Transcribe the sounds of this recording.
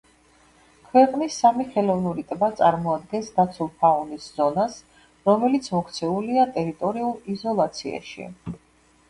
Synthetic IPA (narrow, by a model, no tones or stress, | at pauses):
kʰwɛqʼnisːamiχɛlɔvnuɾit̪ʼbat̪sʼaɾmɔad̪̚ɡɛnsd̪at̪sʰulˠpʰaunisz̥ɔnas | ɾɔmɛlit̪sʰmɔkʰt̪sʰɛuliat̪ʼɛɾit̪ʼɔɾiulˠizɔlˠat̪sʰia̰ʃḭ